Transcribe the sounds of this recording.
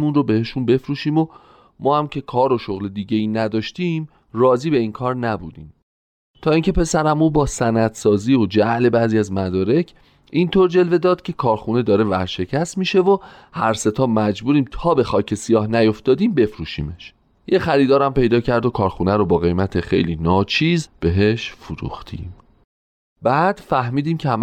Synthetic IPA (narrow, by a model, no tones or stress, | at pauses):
munrobe̞he̞ʃunbe̞fɾuːʃiːmo | mɒːhæmcʰe̞kʰɒːɾo̞ʃoɣle̞d̪iːɟe̞jiːnæd̪ɒːʃt̪iːm | rɒːziːbe̞iːnkʰɒːɾnæbud̪ḭːm | t̪ʰɒːiːŋcʰe̞pʰe̞sæɾæmuːbɒːsænæd̪̥sɒːziːod͡ʒæʔle̞bæːziːæzmæd̪ɒːɾe̞cʰ | ʔint̪ʰoɾd͡ʒe̞lve̞d̪ɒːd̪̥̚cʰe̞kʰɒːɾxune̞d̪ɒːɾe̞væɾʃe̞cʰæsmiʃe̞vo | hæɾse̞t̪ʰɒːmæd͡ʒbuːɾiːmt̪ʰɒːbe̞xɒːcʰe̞sijɒːhnæjo̞ft̪ɒːd̪iːmbe̞fɾuːʃḭːme̞ʃ | jexæɾiːd̪ɒːɾæmpe̞jd̪ɒːcʰæɾd̪okʰɒːɾxunæɾobɒːɣe̞jmæt̪ʰe̞xe̞̰jliːnɒːt͡ʃʰiːzb̥e̞ɦe̞ʃfuɾṵːxt̪ʰḭːm | b̥æːd̪̥fæhmiːd̪iːmcʰeæm